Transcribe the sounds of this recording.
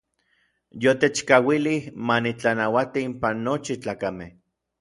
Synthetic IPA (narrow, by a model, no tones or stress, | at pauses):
jot̪et͡ʃkawilihmanit͡ɬanawat̪iimpanːot͡ʃit͡ɬaːkameh